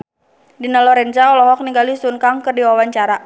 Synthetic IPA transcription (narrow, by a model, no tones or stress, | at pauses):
dinalɔɾɛnt͡ʃaɔlɔɦɔk̚niŋɡalisunkaŋkərdiwawaɲt͡ʃaɾa